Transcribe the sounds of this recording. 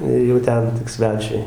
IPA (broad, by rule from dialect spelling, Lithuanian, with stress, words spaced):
ɪr jɛʊ ˈtʲɛn tʲɪk ˈsʲʋʲæːt͡ʃʲʊɪ